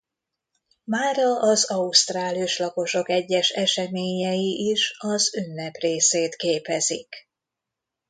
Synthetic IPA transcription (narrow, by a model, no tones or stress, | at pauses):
maːɾɒʔɒzɒust̪raːlijuʃlɒko̞ʃo̞kɛɟːɛʃɛʃɛmeːɲɛjiʔiʃɒzynːɛpreːseːt̪keːpɛzḭk